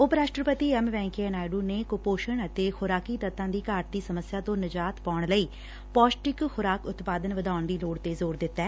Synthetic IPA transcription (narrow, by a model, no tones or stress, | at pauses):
ʊpɾaːʃʈɾəpət̪iːɛmʋɛ̃ːŋkiɛnaːɪɖuːneːkʊpoːʃəɳət̪eːxʊɾaːkiːt̪ət̪ːãːd̪iːkaːɾʈ̚d̪iːsəməsjaːt̪õːnəd͡ʒaːt̪paːɳləiː | pɔːsʈɪkxʊɾaːkʊt̪paːd̪ənʋəd̪aːʊɳd̪iːloːɽt̪eːzoːɾd̪ɪt̪ːɛː